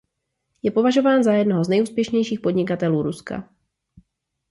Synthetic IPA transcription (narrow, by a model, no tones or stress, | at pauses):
jɛpo̞vaʒo̞vaːnzajɛdnoɦoznɛjuːspjɛʃɲɛjʃiːxpo̞dɲɪkat̪ɛluːɾuska̰